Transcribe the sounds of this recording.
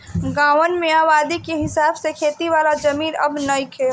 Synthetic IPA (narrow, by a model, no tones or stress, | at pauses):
ɡaːʋənmẽaːʋaːd̪ikeɦɪsaːbsekʰeːt̪iʋaːlad͡ʒɐmiːɾɐ̰bnɐikʰeː